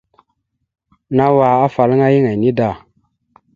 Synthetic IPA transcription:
na˦wa˨a˦fa˨lŋa˦ji˦ŋa˨ni˦da˦˨

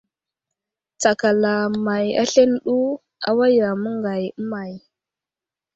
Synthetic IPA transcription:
t͡sa˨ka˨la˨ma˨ja̰˦ɬe˦n˦ɗu˦ | a̰˦wa˦ja˨mə˦ŋɡa˨jə˦ma˨j

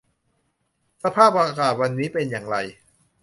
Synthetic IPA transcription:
sa˧pʰaː˥˩p̚ʔaː˧kaː˨˩t̪̚wa˧nːiː˦˥pe˧njaː˨˩ŋɾa˧j

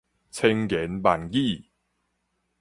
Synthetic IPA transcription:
t͡sʰe˧ŋkɛ˨˦npa˨˩nki˥˨

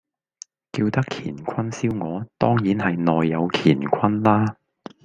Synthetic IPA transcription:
kiː˧wt̪ɐ˥kʰḭː˨˩nkʷʰɐ˥nsiː˥wŋɔː˨˧t̪ɔː˥ŋjiː˨˥nhɐ˨jnɔː˨jːɐ˨˧wkʰiː˨˩nkʷʰɐ˥nlaː˥

